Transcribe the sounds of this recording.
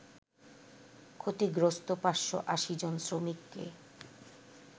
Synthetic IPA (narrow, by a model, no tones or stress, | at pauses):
kʰot̪iɡɾost̪opaʃːo̰ʔaʃid͡ʑonsɾomikːḛ